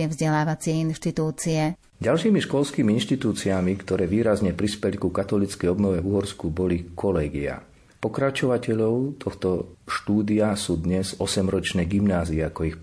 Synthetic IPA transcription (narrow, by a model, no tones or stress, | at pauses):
ɛvzɟɛlaːʋat͡sɪɛinʃt̪it̪uːt͡siɛ | ɟalʃiːmiʃkɔlskiːmiinʃt̪it̪uːt͡siamikt̪ɔɾɛːʋiːɾazɲɛpɾispɛlikukat̪ɔlit͡skɛjɔbnɔʋɛvuɦɔɾskubɔlikʰɔlɛːɡia̰ | pɔkɾat͡ʃɔʋacɛʎɔʊt̪ʰɔxt̪ɔʃt̪uːd̪iasuːd̪ɲɛzɔsɛmɾɔt͡ʃnɛːɡimnaːziɛakɔix